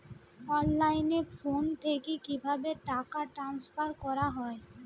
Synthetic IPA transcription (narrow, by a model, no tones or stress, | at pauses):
ɔnlajneɾfont̪ʰekekibʱabeʈakaʈɾanspaɾkɔɾaɦɔe